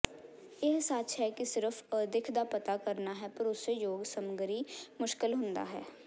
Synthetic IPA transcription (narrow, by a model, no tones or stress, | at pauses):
jeɦsaːt͡ʃɦɛkisɪɾəfʰəd̪ɪkʰd̪apɐt̪akəɾnaɦɛpɐɾʊsːejoːɡsəmɡəɾimʊʃkɪlɦʊ̃nd̪a̰ɦɛː